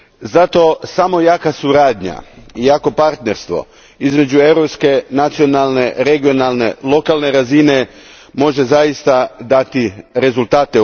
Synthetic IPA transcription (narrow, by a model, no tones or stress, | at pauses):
zat̪o̞samo̞jakasuɾaːd̪ɲa̰ijako̞paɾt̪ne̞ɾst̪ʋo̞̰ | izme̞d͡ʒue̞wɾo̞pske̞nat̪sio̞nalˠne̞ɾe̞ɡio̞nalˠne̞̰lˠo̞kalne̞ɾazine̞ | mo̞ʒe̞zaist̪ad̪at̪iɾe̞zulˠt̪aːt̪e